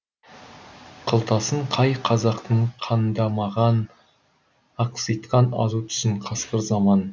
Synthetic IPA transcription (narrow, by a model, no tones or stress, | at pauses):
qʰəlˠt̪ɑsəɴqʰɑjqʰɑzɑqt̪əɴqʰɑnd̪ɑmɑʁɑn | ɑqsijt̪qɑnɑ̰zut̪ʰʏ̥sɪɴqʰɑsqəɾzɑmɑn